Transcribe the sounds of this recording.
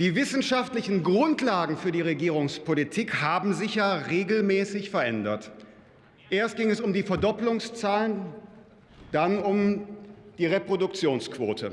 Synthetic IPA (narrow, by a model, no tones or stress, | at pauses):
d̥iːvɪsn̩ʃaftlɪçn̩ɡʁʊntlaːɡŋ̩fyːɐdiːʁeɡiːʁ̞ʊŋspʰolitʰiːkhaːbm̩zɪçjaːʁeːɡl̩mɛːsɪçfɛɐʔɛndɐt | ʔeːɐst̚ɡ̥ɪŋɛsʊmdiːfɛɐdɔplʊŋst͡saːlən | d̥anʊm | d̥iːʁepʁ̥odʊkt͡sjoːnskv̥oːtʰə